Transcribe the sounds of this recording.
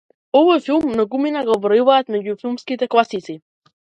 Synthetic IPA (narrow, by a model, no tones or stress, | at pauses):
ɔvɔjfilˠmːnaɡuminaɡɔvɾɔjuvaːt̪mɛɟufilˠmskit̪ɛklˠasit̪si